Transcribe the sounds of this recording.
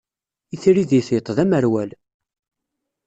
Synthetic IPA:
iθiɾiðiθjət̪ˤðæməɾwæl

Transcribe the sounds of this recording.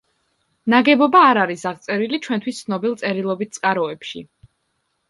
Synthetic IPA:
naɡɛbɔbaːɾaɾisaʁt̪sʼɛɾilit͡ʃʰwɛnt̪ʰwist̪sʰnɔbilˠt̪sʼɛɾilˠɔbit̪̚t̪sʼkʼaɾɔɛpʃḭ

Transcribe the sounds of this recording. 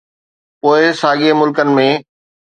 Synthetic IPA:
poːɪsaːɠemʊlkənɪ̆mẽː

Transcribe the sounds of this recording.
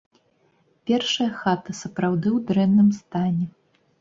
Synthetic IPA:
pʲɛrʂɐjɐxat̪ɐsɐpɾawd̪ɨwd̪ɾɛnːɨmst̪anʲɛ

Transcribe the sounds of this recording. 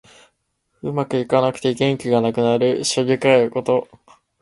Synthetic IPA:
ɯ̟makɯ̟ikanakɯ̟̥t̪e̞ɡẽ̞ŋkʲiɡanakɯ̟naɾɯ̟ɕobʲikaeko̞t̪o̞

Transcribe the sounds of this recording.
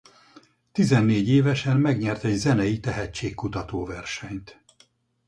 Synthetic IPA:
t̪izɛnːeːɟeːvɛʃɛnmɛɡɲɛrt̪ɛɟzɛnɛjit̪ɛɦɛt͡ʃːeːkːut̪ɒt̪oːvɛrʃɛɲt̪

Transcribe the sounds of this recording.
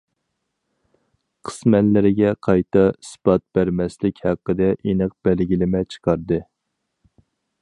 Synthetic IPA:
qʰə̥smɛnlɪɾɪɡʲɛqʰɑjt̪ɑspɑt̪̚b̥æɾmɛslɪkʲhæqːəd̪ɛʔinɨq̚b̥ælɡʲilɪmɛt͡ʃʰə̥qʰɑɾd̪ɨ

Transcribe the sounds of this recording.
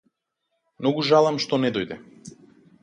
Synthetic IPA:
mnɔɡuʒalˠamʃt̪ɔnɛd̪ɔjd̪ɛ

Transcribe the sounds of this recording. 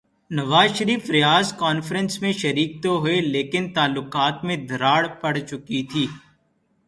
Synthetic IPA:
nɐʋaːzʃəɾiːfɾɪjaːzkɔːnfɾə̃nsmẽʃɐɾiːk̚t̪oɦʊeleːkɪnt̪aːlːʊqaːt̪mẽd̪ʱɐɾaːɽpɐɽt͡ʃʊkit̪ʰiː

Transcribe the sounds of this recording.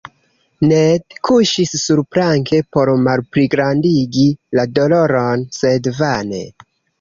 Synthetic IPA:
nedkʰuʃisːuɾpɾaŋkʰe̞po̞ɾmalpɾiɡɾandiɡilado̞lo̞ɾo̞nse̞dvane̞̰

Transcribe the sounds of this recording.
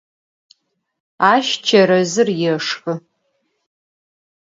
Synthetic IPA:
aʃt͡ʃʰɐɾɐzɨrjɛʂxɨ

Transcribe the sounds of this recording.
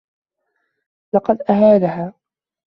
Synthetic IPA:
lɑqɑd̪ʔahaːlaɦaː

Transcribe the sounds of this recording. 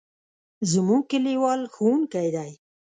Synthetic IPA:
zəmukəliwɑlxunkajd̪aj

